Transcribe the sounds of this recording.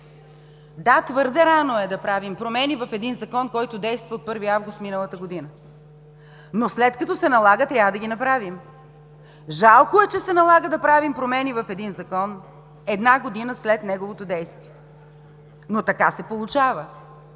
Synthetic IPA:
d̪at̪vəɾd̪ɛɾanoɛd̪ɐpɾavimpɾomɛnivɐfɛd̪inzɐkɔnkɔjt̪ʊd̪ɛjst̪vɐot̪̚pɤɾviavɡʊst̪minəlˠɐt̪əɡod̪inə | noslɛt̪kɐt̪ɔsɛnɐlˠaɡət̪ɾʲavəd̪ɐɡʲinɐpɾavim | ʒalˠkoɛt͡ʃɛsɛnɐlˠaɡəd̪ɐpɾavimpɾomɛnivɐfɛd̪inzɐkɔn | ɛd̪naɡod̪inəslɛt̪nɛɡovot̪od̪ɛjst̪viɛ | not̪ɐkasɛpolˠut͡ʃavə

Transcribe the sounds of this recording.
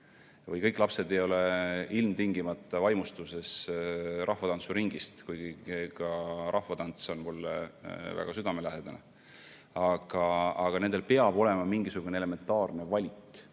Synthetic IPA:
vɤjkɤjkːˑlɑpse̞d̪e̞jo̞le̞ilmt̪iŋɡimɑt̪ːˑɑvɑjmust̪use̞srʔɑhvɑt̪ɑnsuɾiŋɡist̪kujɡ̥ikɑɾʔɑhvɑt̪ɑnt̪so̞nmulːvæ̰ɡ̥ɑsyd̪ɑmelæɦed̪̥ɑnɑ̰ | ɑɡ̥ɑɑɡ̥ɑnend̪e̞lpeɑb̥o̞le̞mɑmiŋɡisuɡ̥uneele̞me̞nt̪ːˑɑːrne̞vɑlʲik

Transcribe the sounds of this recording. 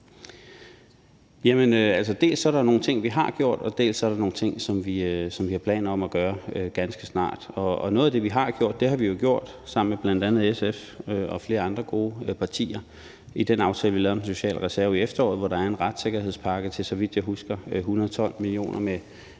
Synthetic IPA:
jæmənøæl̰sɒd̥e̝̰ːlsɒ̽ɾɑnoːn̩t͡sʰe̝ŋ̰ʋiɦɑ̈ɡ̥jo̝ɐ̰d̥ɒ̽d̥e̝̰ːlsɒɐɾɑ̈no̝ːn̩t͡sʰe̝ŋ̰sɒ̽mʋisɒ̽mʋihɑ̈pʰlɛ̰ːn̩ˠɒ̽mæɡ̥ɶːɐɡ̥ænsɡ̥əsnɑ̰̈ːd̥ɒ̽ɒnoɔːð̩ˠæd̥e̝ʋiɦɑ̈ɡ̥jo̝ɐ̰d̥ːe̝ɦɑ̈ʋijo̝ɡ̥jo̝ɐ̰d̥ | sɑ̈m̰n̩meb̥læn̰d̥ænð̞̩ˠesef | øɒ̽fle̝ːɐɑ̈nd̥ʁɐɡ̥o̝ːpʰɑ̈t͡sʰḭːɐ | id̥enɑ̈ʊt͡sʰɛːləʋilɛːʊɐden̩so̝ɕɛ̰ːlʁɛsæɐiefd̥ɐɔ̰ːð̩ˠʋɒɾ̥ɑ̈æɐenʁɑd̥se̝ɡ̥ɐhe̝ð̞̰ˠspʰɑ̈ɡ̥ət͡sʰe̝lsɒ̽ʋid̥jɑ̈ɦusɡ̥ɐɦunɐðˠt͡sʰɒ̽l̰milio̝̰ːnʔɐme

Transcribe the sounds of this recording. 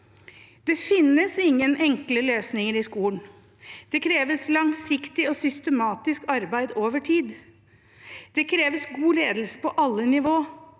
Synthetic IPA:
d̪̥ɛfɪnːəsɪŋːənʔɛŋkləløːsnɪŋəɾɪskuːn | d̪̥ɛkʰɾeːʋəslɑŋsɪkt̪ɪɔsʏst̪əmɑːt̪ɪskɑɾbæɪd̪oːʋəʈʰiːd̪ | d̪̥ɛkʰɾeːʋəsɡuːleːd̪l̩sə̥pʰɔʔɑlːənɪʋoː

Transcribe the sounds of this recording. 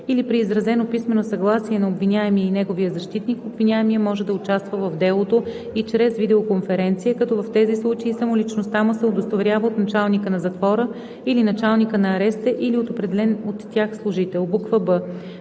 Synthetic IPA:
ilipɾiːzɾɐzɛnopismɛnosɐɡlˠasiɛnɐobvinʲaɛmiəinɛɡovijəzɐʃt̪it̪nikobvinʲaɛmiəmɔʒɛd̪ɐʊt͡ʃast̪vəvɐvd̪ɛlˠot̪o | it͡ʃɾɛzvid̪ɛokonfɛɾɛnt̪sijəkɐt̪ɔvɐft̪ɛzislˠut͡ʃeisɐmolit͡ʃnost̪amʊsɛod̪ost̪ɐvɾʲjavəot̪nɐt͡ʃalˠnikənɐzɐt̪vɔɾə | ilinɐt͡ʃalˠnikənɐːɾɛst̪ɛʔiliot̪opɾɛd̪ɛlɛnot̪ːjaxslˠʊʒit̪ɛlˠbukvəbɤ

